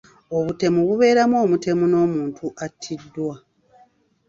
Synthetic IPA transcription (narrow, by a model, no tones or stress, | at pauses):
o̞βute̞muβuβe̞ːɾamoːmute̞muno̞ːmuːntʰuʔatʰːidːwa